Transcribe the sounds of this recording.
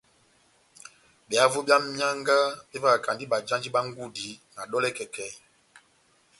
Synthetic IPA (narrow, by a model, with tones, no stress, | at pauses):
ɓɛ˨a˦vo˦bja˦mmi˦a˦ŋɡa˦ɓe˦va˦˨ka˨ndi˦ɓa˨d͡ʒa˦nd͡ʒi˦ɓa˦ŋ˦ɡu˦di˨˦na˨ɗɔ˦lɛ˦kɛ˨kɛ˨